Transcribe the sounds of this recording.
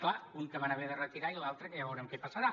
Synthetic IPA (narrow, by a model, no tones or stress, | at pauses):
klauŋkəmanaβeðərət̪iɾailalˠt̪ɾəkəjaβɛwɾɛmkɛpəsəɾa